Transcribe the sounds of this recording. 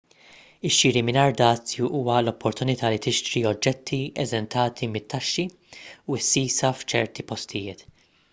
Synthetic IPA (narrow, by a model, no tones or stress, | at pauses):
ɪʃːiːɾimɪnɐɾd̪ɐːt͡sːjuʔuːwɐlɔpːɔɾt̪ʊnɪt̪ɐːlit̪ɪʃt̪ɾiɔd͡ʒːɛt̪ʰːiɛzɛnt̪ʰɐːt̪ʰimɪt̪ːɐʃːi | uɪsːiːsɐft͡ʃɛɾt̪ipɔst̪ʰɪjɪːt̪